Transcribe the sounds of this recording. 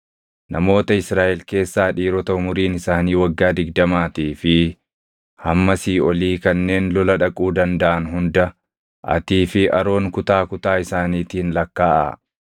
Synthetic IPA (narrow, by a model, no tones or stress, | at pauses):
nʔɐmo̞ːt̪ɐɪsɾaːʔɛlke̞ːsːaːᶑiːɾɔt̪ɐʊmʊɾiːnɪsaːniːwɐɡːaːd̪ɪɡ̚d̪ɐmaːt̪iːfɪ | hɐmːɐsiːɔliːkɐnːe̞ːnlɔlɐᶑɐkʼuːd̪ɐnd̪ɐʔɐnɦʊnd̪ɐ | ʔɐ̰t̪iːfɪʔɐ̰ɾo̞ːŋkʊt̪aːkʊt̪aːɪsaːniːt̪iːnlɐkːaːʔɐ̰